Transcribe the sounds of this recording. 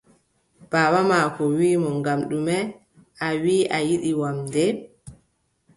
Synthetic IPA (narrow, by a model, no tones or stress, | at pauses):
b̥aːwamaːkɔwiːmɔŋɡamɗumɛ | awiːʔajiɗiwamdɛ